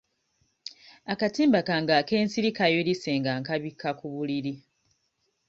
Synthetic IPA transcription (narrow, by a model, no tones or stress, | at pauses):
akatiːmbakaŋɡake̞ːnsiɾikajolise̞ːŋɡaŋkaβikʰːakuβuliɾi